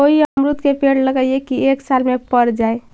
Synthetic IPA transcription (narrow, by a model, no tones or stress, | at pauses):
oɦiəmɾut̪kepeɽləɡəjekieksalmepəɾd͡ʒae